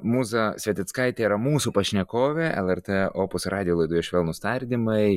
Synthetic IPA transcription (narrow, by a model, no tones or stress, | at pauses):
muːzɐsʲʋʲɛt̪ʲɪt̪skɐɪt̪ʲeːiɾɐmuːsupɐʃʲnʲɛkoːʋʲeʔɛ̰lˠɛrt̪eːoːpʊsrʔɑːd̪ʲɪjoːlˠɐɪd̪uːjoʃʋʲeːlˠnʊst̪ɐɾʲd̪ʲɪmɐɪ